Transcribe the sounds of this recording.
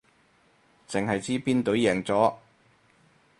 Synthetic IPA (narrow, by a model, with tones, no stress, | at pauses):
t͡sɪ˨ŋɦɐ˨jt͡siː˥piː˥nt̪ɵ˨˥ɥjɛː˨˩ŋt͡sɔː˨˥